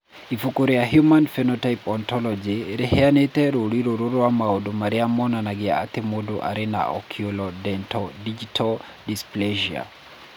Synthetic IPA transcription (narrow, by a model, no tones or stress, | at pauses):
ifukoɾejaɦjumanfɛnɔtajpɔntɔlɔd͡ʒiɾɛhɛanetɛɾoɾiɾoɾoɾoamaodomaɾiamɔnanaɡɪa̰a̰t̪emodoʔa̰ɾɪna̰ɔ̰kʰiolɔdɛntɔdid͡ʒitʰɔl | displeʒia̰